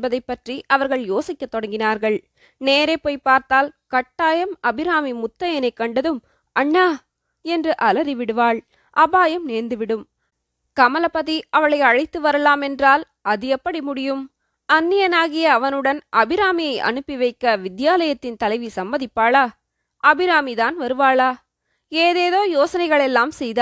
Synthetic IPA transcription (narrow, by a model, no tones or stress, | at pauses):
bɐðɐɪpːɐʈriʔɐʋɐɾɣɐɭjoːsɪkʲːɐt̪ːɔɽɐŋɡɪnaːɾɣɐɭ | neːɾepoːjpːaːɾt̪aːlkɐʈːaːjɐmɐbɪɾaːmimʊt̪ːɐjɐnɐɪkːɐɳɖɐðɯm | ʔɐɳːaː | ɛndrɯʔɐlɐɾiʋɪɽɯʋaːɭ | ʔɐbaːjɐmneːɾnd̪ɯʋɪɽɯm | kɐmɐlɐpɐðiɐʋɐɭɐɪɐɻɐɪt̪ːɯʋɐɾɐlaːmɛndraːl | ɐðɪjɐpːɐɽimʊɽɪjɯm | ɐnːɪjɐnaːɣɪjɐːʋɐnɯɽɐnʔɐbɪɾaːmɪjɐɪʔɐ̰nɯpːiʋɐɪkːɐʋɪd̪jaːlɐjɐt̪ːɪnt̪ɐlɐɪʋisɐmbɐðɪpːaːɭaː | ʔɐbɪɾaːmiðaːnʋɐɾɯʋaːɭaː | eːðeːðoːjoːsɐnɐɪɣɐɭɛlːaːmsɛjðaː